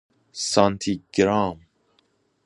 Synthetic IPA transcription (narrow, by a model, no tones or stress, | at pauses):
sant̪ʰiɡɾɑm